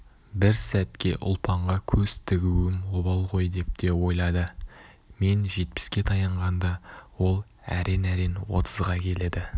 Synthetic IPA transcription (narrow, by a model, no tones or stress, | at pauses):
bɪɾsæt̪kʲe̞̰ʔʊ̰lˠpʰɑɴʁɑkʲʰɵzt̪ʰɪɡʲuɪmobɑlˠʁo̞jd̪e̞p̚t̪e̞wo̞jlˠɑd̪ə | me̞nʒe̞t̪̚pɪ̥skʲe̞t̪ʰɑjɑɴʁɑnd̪ɑwo̞lˠ | æ̰ɾe̞næɾe̞nwo̞̰t̪ʰəzʁɑkʲʰe̞le̞d̪ɪ